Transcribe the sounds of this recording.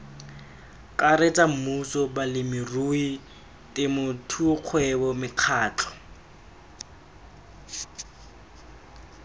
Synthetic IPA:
kʼaret͡sʼam̩musɔbalɪmɪrui | tʼɪmʊtʰuq͡χʰwɛbɔmɪq͡χʰaːt͡ɬʰɔ̥

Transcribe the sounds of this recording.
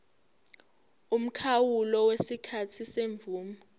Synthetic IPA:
um̩kʰawulɔwesikʰatʰiseɱvuːma

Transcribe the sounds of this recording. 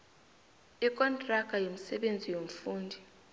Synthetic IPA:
ikʼɔntʼrakʼajom̩sɛɓend͡zʱijom̩fuːndʱi

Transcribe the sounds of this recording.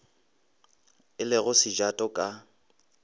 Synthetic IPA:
ɪlɪɣʊsɪd͡ʒatʼɔkʼa

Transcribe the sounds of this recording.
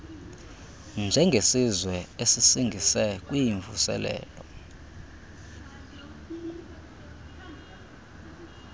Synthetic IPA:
nd͡ʒʱɛŋɡʱesizwɛesisiŋɡʱisɛk̬ʼwijiɱvṵsɛ̰lɛ̰ːlɔ

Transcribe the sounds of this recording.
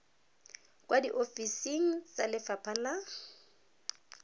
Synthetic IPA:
kʼwadiʔofisiŋ̩t͡salɪfapʰala

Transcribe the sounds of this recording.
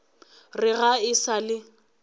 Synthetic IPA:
rɪɣaɪsalɪ

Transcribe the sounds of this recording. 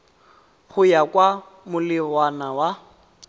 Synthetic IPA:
χʊjakʼwa | mʊlɪwanawa

